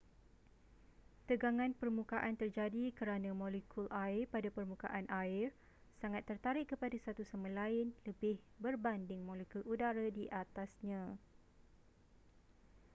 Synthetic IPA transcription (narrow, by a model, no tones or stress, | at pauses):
t̪əɡaŋãnpərmũkaʔant̪ərd͡ʒadikəɾanãmɔ̃lekʰulʔaɪrpadapərmũka̰ʔanʔaɪr | saŋat̪ːərt̪aɾɪʔkəpadasat̪usamə̃laɪnləbɪhbərbandɪŋmɔ̃lekuludaɾadiʔat̪asɲã